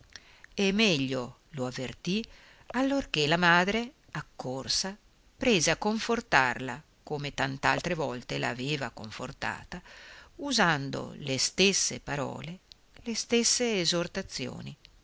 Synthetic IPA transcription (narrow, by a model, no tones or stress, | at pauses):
emɛʎːo | loavːert̪i | alːorkelamaːd̪ɾe | akːorsa | pɾeːzeakːoɱfort̪arla | koːmet̪ant̪ea̰lt̪ɾevɔlt̪ela̰ːveːvakoɱfort̪a̰ːt̪auzand̪o̰lest̪esːepaɾɔ̰ːle | lest̪esːeːzort̪at̪sːjo̰ːni